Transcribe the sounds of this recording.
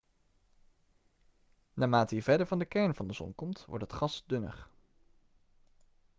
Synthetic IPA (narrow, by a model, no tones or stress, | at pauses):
naːmaːtəɦiːv̥ɛdəɹvɑndəkɛɹnvɑndəzɔ̰nkɔmtʋɔ̰ɹtɦətχɑsdɵnə̰χ